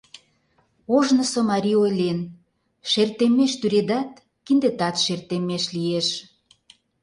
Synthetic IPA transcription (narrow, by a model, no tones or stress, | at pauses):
oʒnə̆somɑɾʲiojlʲen | ʃert̪emeʃt̪yɾed̪ɑt̪̚ | kind̪et̪ɑt̪ʃert̪emeʃlieʃ